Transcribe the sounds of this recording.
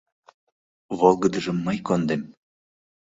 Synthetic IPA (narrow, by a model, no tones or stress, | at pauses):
βolˠɡə̆d̪əʒɤ̆mːɑjkond̪em